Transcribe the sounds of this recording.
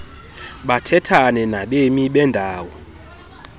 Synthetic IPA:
ɓatʰɛtʰanɛnaɓemiɓɛndʱaːwɔ

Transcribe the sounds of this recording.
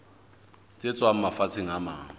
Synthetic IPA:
t͡sʼɪt͡sʼwam̩mafat͡sʰʼeŋ̩amaːŋ̩

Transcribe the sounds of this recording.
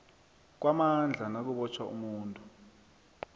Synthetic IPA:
k̬wamand͡ɮʱanak̬uɓɔt͡ʃʰwaṵmuːntʼu

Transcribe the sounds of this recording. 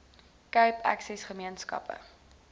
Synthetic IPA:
kœɥpʰæ̰ksɛsχəmiənskɐ̰pə̰

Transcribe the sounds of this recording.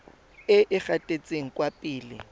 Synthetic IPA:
ɪʔɪk͡xatʼet͡sʼeŋ̩kʼwapʼiːlɪ̰

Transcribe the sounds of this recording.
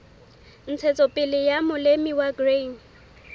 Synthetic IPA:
n̩t͡sʰɛt͡sʼɔpʼɪlɪjamʊlemiwaɡreŋ̩

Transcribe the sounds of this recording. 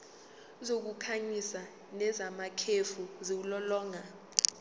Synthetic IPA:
zok̬ukʰaɲisa | nɛzamakʰefuziulɔlɔːŋa

